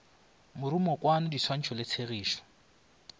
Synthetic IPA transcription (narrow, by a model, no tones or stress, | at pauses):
mʊɾumɔkwanʊdisʰwan̩t͡ʃʰɔlɪt͡sʰeɣiːʃɔ̥